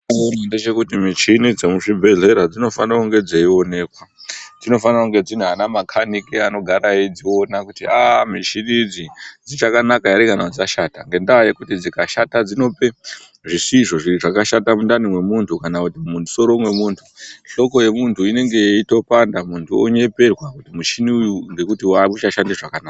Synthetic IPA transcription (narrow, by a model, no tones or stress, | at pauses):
nande̞t͡ʃe̞kutimit͡ʃinid͡zemuʐibʱeɮe̞ɾad͡zino̞fanrakuŋɡe̞d͡zeio̞ne̞ːkwad͡zino̞fanrakuŋɡe̞d͡zinuanamakʰanikiano̞ɡʱaɾaid͡zio̞nakutiamit͡ʃinid͡zid͡zit͡ʃakanakaaɾikanaud͡zaʃaːtaŋɡe̞ndaajekutid͡zikaʃatad͡zino̞pe̞ | ʐisiʐo̞ʐiɾiʐakaʃatamundanimwe̞muntʰukanakutimuso̞ɾomwe̞muːntʰu̥ɬo̞ko̞je̞muntʰuine̞ŋɡe̞ito̞pandamuntʰuo̞̰ɲe̞pe̞rwakutimuʃiniujuŋɡe̞kutiwamut͡ʃaʃandiʐakanaːka